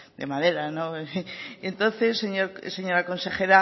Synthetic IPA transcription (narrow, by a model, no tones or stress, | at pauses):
d̪emaðeɾano | ent̪onθesːeɲoɾseɲoɾakonsexeɾa